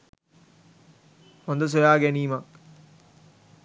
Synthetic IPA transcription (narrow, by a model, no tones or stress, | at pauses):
hond̪əs̬ojaːɡɛniːma